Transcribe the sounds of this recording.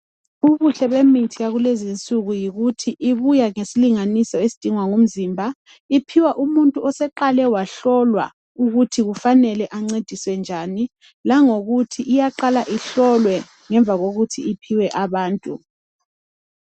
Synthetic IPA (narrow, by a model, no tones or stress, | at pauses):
uβuɬɛβemitʰijaɣulezint͡sʼuɣujiɣutʰiʔiβujaŋesiliŋanisɔesid̥ʱiŋwaŋum̩zimbʱa | ipʰiwaʔumuntʼuɔsɛǃalɛwaɬɔlwa̰ | uɣutʰiɣufanɛlɛʔaŋ͡ǀed̥ʱiswɛnd͡ʒʱani | laŋoɣutʰiʔijaǃalaʔiɬɔlwɛ | ŋɛɱb̪vʱaɣoɣutʰiipʰiwɛʔaβaːntʼu